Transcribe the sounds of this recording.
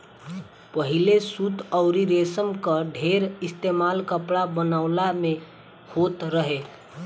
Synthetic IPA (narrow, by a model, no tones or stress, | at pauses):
pəɦilesut̪əʊɾiɾesəmkəɖʱeɾist̪emalkəpɽabənaʊlame | hot̪ɾəɦe